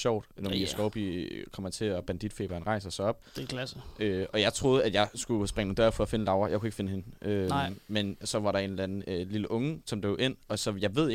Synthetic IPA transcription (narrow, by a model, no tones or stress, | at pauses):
ɕɒʊ̰d̥nɒisɒʊb̥ikʰɒ̽m̰æt͡sʰe̝ɒb̥ænd̥id̥fe̝̰b̥ɐɐnʁɑ̈ɪsɐsɒ̽ɒ̽b̥d̥kʰlsəøɒ̽jɑ̈ɪt͡sʰʁo̝ːð̩ˠæd̥jɑ̈ɪsɡ̥usb̥ʁɛŋənːd̥ɶɐfɒ̽ɒfe̝nəlɑ̈ʊɐjɑkʰue̝ɡ̥əfe̝nəhe̝nʔømensɒ̽ʋɑ̈ɾɑ̈e̝nlænn̩øliləʔɔ̽ŋəsɒ̽md̥e̝ʊʔe̝n̰ɒ̽sɒ̽jɑ̈ɪʋe̝ð̰ˠ